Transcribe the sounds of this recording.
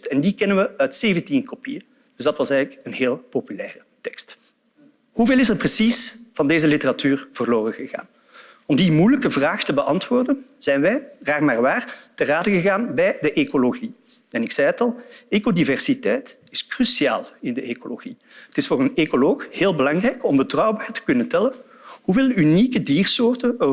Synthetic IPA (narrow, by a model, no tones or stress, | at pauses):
tɛndikɛnənʋəœtseːvəntinkopḭjə | d̥ʏzdɑtʋɑsɛɣələkənɦeːlˠpopylɛːrətɛkst | huveːlˠɪsɛrprəsisv̥ɑndeːzəlitəratyːrv̥ərloːrənɣəɣa̰ːn | ɔmdimujləkəvraːxtəbəʔɑntʋʊːrdənz̥ɛjnʋɛjɣaːrmaːrʋaːrtəraːdəɣəɣaːnbɛjdəʔekoloɣi | ɛnɪksɛjətɑlˠekodivɛrsitɛjt | ɪskrysia̰ːlˠɪndəekolo̰ɣi | ətɪsfoːrənekoloːxheːlˠbəlɑŋrɛjkɔmbətrɑwbaːrtə̥kɵnəntɛlən | huveːlˠynikədiːrsoːrtə